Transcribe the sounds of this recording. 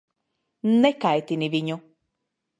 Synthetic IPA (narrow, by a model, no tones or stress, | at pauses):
nekaet̪iniβiɲũ